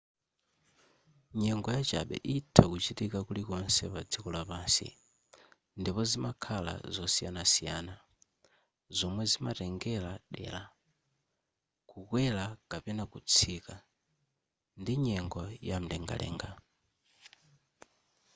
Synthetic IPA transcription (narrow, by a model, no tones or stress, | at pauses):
ɲɛŋɡɔjat͡ʃaɓɛ̰ʔitʰakut͡ʃitikakulikɔnsɛpad͡zikɔlapaːnsḭ | ndipɔzimakʰala̰zɔsijanasijaːna | zɔmwɛzimatɛŋɡɛlaɗɛ̰la | kukwɛlakapɛnakut͡sʰika | ndiɲɛŋɡɔjam̩dɛŋɡa̰lɛ̰ːŋɡa